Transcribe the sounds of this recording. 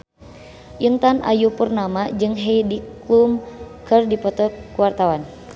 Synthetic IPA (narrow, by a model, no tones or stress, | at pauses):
ʔint̪anʔa̰jupurnamad͡ʒɨŋɦejdiklumkɨrdipɔt̪ɔkuwart̪awan